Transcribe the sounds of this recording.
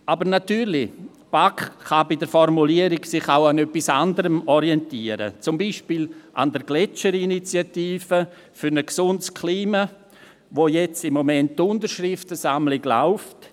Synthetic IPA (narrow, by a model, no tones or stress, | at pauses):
abəɾnatyːɾlɪ | b̥akχabɪdəɾfɔɾmuliəɾɪɡsɪχawanœpːisandəɾəmɔɾiɛntiːəɾə̰t͡sʊmbiːʃpiːlʔa̰ndəɾɡlɛt͡ʃəɾinit͡sjatiːfə | fyɾnəksʊndskʰliːma | ʋojɛt͡sɪmːomɛntːʊndəɾʃɾɪftəsamlɪɡla̰ʊft